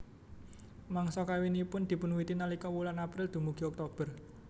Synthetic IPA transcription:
maŋsɔkawinipʊnd̪̥i̤pʊnwit̪inalikɔwulanapɾɪld̪̥ṳmuɡ̥iɔk̚t̪ob̥ər

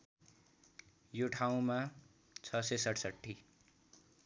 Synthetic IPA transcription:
joʈʰaũmã | t͡sʰʌsesʌʈʰsʌʈʰːi

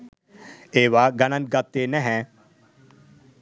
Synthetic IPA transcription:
eːʋaːɡɐnə̃n̚ɡɐt̪ːeːnɛ̃ɦɛ̃ː

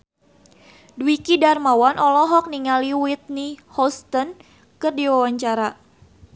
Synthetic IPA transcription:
dwikidarmawanʔɔlɔɦɔk̚niŋaliwit̪̚nihɔst̪ən | kɨrdiwawaɲt͡ʃaɾa

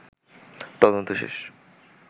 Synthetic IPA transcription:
t̪ɔd̪ont̪oʃḛʃ

